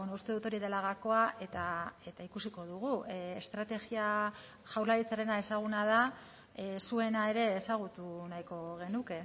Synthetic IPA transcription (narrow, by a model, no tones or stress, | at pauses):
enoust̪e̞ðut̪o̞ɾið̞e̞laɣako̞aʔe̞t̪ae̞t̪aikusiko̞ð̞uɣ̞uest̪ɾat̪e̞ɣia | ʝawɾlaɾit͡saɾe̞nae̞saɣ̞unaða | sue̞nae̞ɾe̞ːsaɣ̞ut̪unajko̞ɣ̞e̞nuke̞